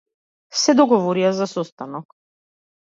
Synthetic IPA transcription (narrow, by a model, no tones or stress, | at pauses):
sɛd̪ɔɡɔvɔɾiazasɔst̪anɔk